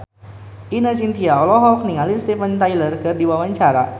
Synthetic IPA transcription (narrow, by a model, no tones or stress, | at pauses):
ʔinasint̪iaɔlɔɦɔk̚niŋalinst̪ɛfənt̪ajlərkɨrdiwawaɲt͡ʃaɾa